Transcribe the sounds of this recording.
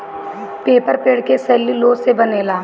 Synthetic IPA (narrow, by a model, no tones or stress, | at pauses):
peːpəɾpeːɽkesɛːliloːsebəneːlaː